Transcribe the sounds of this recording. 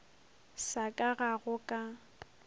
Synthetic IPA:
sakʼaɣaɣʊkʼa

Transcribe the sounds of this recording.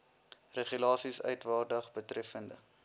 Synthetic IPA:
rəχylɑːsisœ̰ɥtvɑːrdəχbətrɛfəndə̰

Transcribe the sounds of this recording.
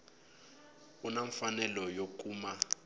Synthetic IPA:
unaɱfanɛlɔjok̬ʼuːma

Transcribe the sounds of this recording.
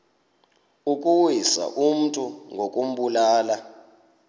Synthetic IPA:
ukʼuwisa̰ʔum̩tʼuŋɡʱokʼum̩ɓulaːla

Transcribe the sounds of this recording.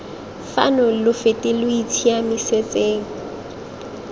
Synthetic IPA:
fa̰nɔlʊfetʼɪlʊitʰiamɪset͡sʼeːŋ̩

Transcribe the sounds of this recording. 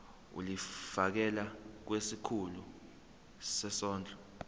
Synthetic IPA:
ṵlifak̬ɛlak̬wesikʰulu | sɛsɔːnd͡ɮʱɔ

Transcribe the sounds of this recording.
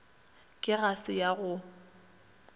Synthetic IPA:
kʼɪɣasɪjaɣʊ

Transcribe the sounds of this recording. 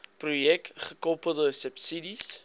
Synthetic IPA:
projɛk̚tχəkɔpəlˠdəsəpsidis

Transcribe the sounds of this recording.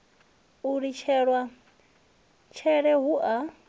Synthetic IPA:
uɺit͡ʃʰɛɺwa | t͡ʃʰɛɺɛɦuʔa

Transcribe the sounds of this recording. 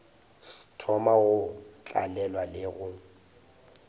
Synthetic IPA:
tʰɔmaɣʊt͡ɬʼa̰lɛlwalɪɣʊ

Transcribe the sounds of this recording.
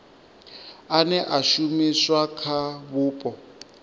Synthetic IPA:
anɛʔaʃumiswakʰaβuːpʼɔ

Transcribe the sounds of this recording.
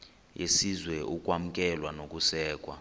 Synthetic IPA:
jesizwɛʔukʼwam̩kʼɛlwanokʼusɛːkʼwa̰

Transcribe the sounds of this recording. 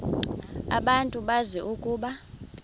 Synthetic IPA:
a̰ɓantʼuɓazɛʔukʼuːɓa

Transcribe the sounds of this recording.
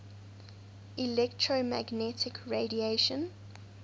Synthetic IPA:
ilɛktʰɹomæɡnɛtʰɪkʰɹedieʃə̃n

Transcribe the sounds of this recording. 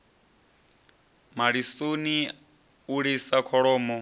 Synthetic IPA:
maɺisuni | uɺisakʰɔɺɔːmɔ

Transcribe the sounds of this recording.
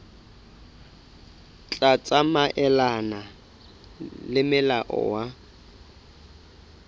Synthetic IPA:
t͡ɬʼat͡sʼamaʔɛlana | lɪmɪlaʔɔ̰wa

